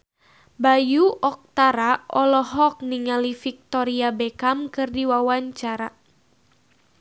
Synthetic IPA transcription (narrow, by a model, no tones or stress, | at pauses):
bajuʔɔk̚t̪aɾaɔlɔɦɔk̚niŋalifik̚t̪ɔɾiabekamkɨrdiwawaɲt͡ʃaɾa